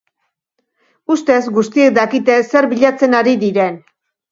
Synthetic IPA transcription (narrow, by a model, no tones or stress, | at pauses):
ust̪e̞zɡust̪ie̞k̚d̪akit̪e̞se̞ɾβiʎat͡se̞naɾiðiɾe̞n